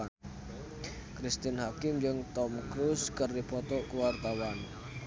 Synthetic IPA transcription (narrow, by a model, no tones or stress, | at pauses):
kɾist̪ɪnhakɪmd͡ʒəŋt̪ɔmkɾuskərdipɔt̪ɔʔkəwart̪awan